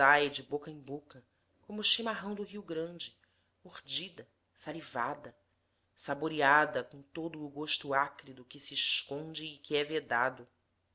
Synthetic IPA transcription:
ajd͡ʒɪbokɐẽbokɐ | kõmʊʃimaɦɐ̃w̃d̪ʊɦiwɡɾɐ̃nd͡ʒɪ | moɾd͡ʒid̪ɐ | salivad̪ɐ | saboɾiad̪ɐkõw̃t̪od̪ʊːɡoʃt̪ʊakɾid̪ʊkɪsiːʃkõnd͡ʒɪːkɪɛved̪ad̪ʊ

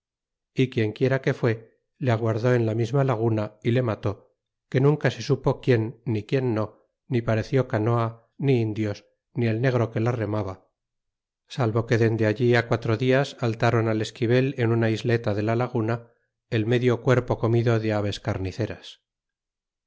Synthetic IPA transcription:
ikje̞ŋkje̞ɾake̞fwe̞ | leaɣ̞waɾðo̞e̞nlamizmalaɣ̞unaile̞mat̪o̞ | ke̞nũŋkase̞supo̞kje̞nːikje̞nːo̞ː | ipaɾe̞θjo̞kano̞a | niind̪jo̞s | nie̞lne̞ɣ̞ɾo̞ke̞lare̞maβa | salβo̞ke̞ðe̞nd̪e̞aʝiakwat̪ɾo̞ðiasalt̪aɾo̞nale̞skiβe̞le̞nunaizle̞t̪aðe̞lalaɣ̞una | e̞lme̞ðjo̞kwe̞ɾpoko̞miðo̞ðe̞aβ̞e̞skaɾniθe̞ɾas

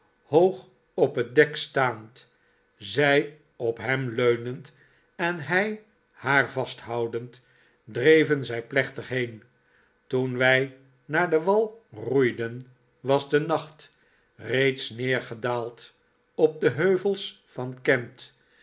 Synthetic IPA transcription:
howχ | ɔpɦət̚dɛkstaːnt | zɛj | ɔpɦɛmløɥnənt | ɛnɦɛj | haːɹvɑstɦɑwdənt | drejvənzɛjplɛχtəχɦejn | tunʋɛj | naːɹdəʋɑlˠrujdən | ʋɑzdənɑχt | rejtsnɪːɹχədaːlˠt | ɔp̚dəɦøɥvəlˠs | fɑnkɛnt

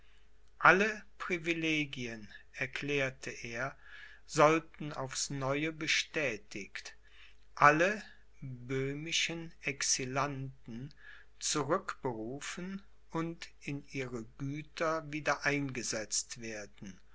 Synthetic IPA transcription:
ʔaləpʁ̥ivileːɡiənɛɐkʰl̥ɛːɐtʰəʔeːɐ | zɔltn̩a̰ʊfsnɔʏəbəʃtɛːtʰɪkt | ʔalə | bøːmɪʃənɛksilantn̩ | t͡suʁʏkb̥əʁuːfən | ʔʊntɪnʔiːʁəɡyːtʰɐviːdɐʔaɪnɡəzɛt͡stv̥eːɐdn̩

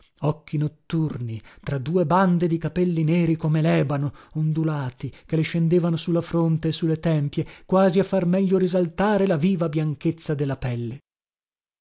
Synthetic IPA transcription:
ɔk̟ːinot̪ːurnit̪ɾad̪uːeband̪ed̪ikapɛlːinɛːɾikomelɛːbanoond̪ulaːt̪ikeleʃend̪eːvanosulːafɾont̪eːsːulːet̪ɛmpjekwaːziafːarmɛʎːoɾizalt̪aːɾelaviːvabjaŋket̪sːad̪elːapɛlːe

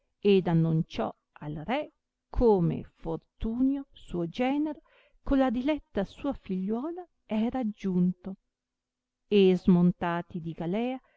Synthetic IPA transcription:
ed̪anːunt͡ʃɔ̰ | alrɛ | kʰoːmḛfort̪uːnjosuod͡ʒɛːneɾo | kolad̪ilɛt̪ːasuːafiʎːwɔːla | ɛːɾaːd͡ʒːunt̪o | ezmont̪aːt̪id̪iɡalɛːa

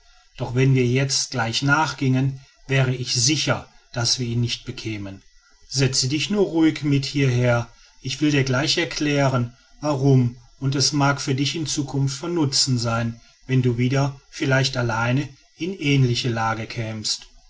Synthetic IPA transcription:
d̥ɔχv̥ɛnviːɐjɛt͡stɡ̥laɪçnaːχɡ̥ɪŋən | vɛːʁ̞əɪçz̥ɪçɐ | d̥asv̥iːɐiːnːɪçt̚b̥əkʰɛːmən | z̥ɛt͡sədɪçnuːɐʁuːɪkmɪthiːɐɦeːɐ | ʔɪçv̥ɪldiːɐɡlaɪçɛɐkʰl̥ɛːʁən | vaʁʊmʔʊntɛsmaːkfyːɐdɪçɪnt͡suːkʰʊnftfɔnːʊt͡sn̩zaɪn | vɛnduːviːdɐfɪlaɪçtalaɪnə | ʔɪnʔɛːnlɪçəlaːɡəkʰɛːmst

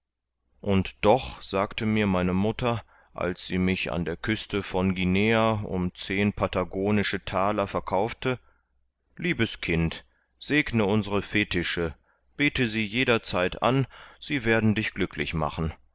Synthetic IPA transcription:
ʔʊntd̥ɔχz̥aːktʰəmiːɐmaɪnəmʊtɐ | ʔa̰lsz̥iːmɪça̰ndeːɐkʰʏstəfɔnɡineːaʔʊ̰mt͡seːnpʰataɡoːnɪʃətʰaːlɐfɛɐkʰaʊftə | liːbəskʰɪnt | z̥eːknəʊnzəʁəfeːtɪʃə | b̥eːtəziːjeːɾɐt͡saɪtʔa̰nz̥iːveːɐdn̩dɪçɡ̥lʏkʰlɪ̰çma̰χn̩

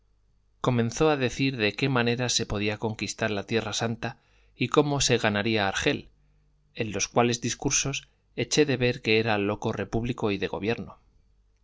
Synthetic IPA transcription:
ko̞mẽnθo̞aðe̞θiɾðe̞ke̞mãne̞ɾase̞po̞ð̞iako̞ŋkist̪aɾlat̪je̞rasant̪a | iko̞mo̞se̞ɣanaɾiaːɾxe̞l | e̞nlo̞skwale̞zðiskuɾso̞s | e̞t͡ʃe̞ðe̞βe̞ɾke̞eɾalo̞ko̞re̞puβliko̞iðe̞ɣ̞o̞̰β̞je̞ɾno

